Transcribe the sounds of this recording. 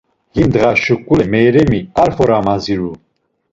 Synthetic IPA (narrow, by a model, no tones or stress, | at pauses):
hind̪ʁaʃukʼulɛmɛːɾɛmiaɾfɔɾamaziɾu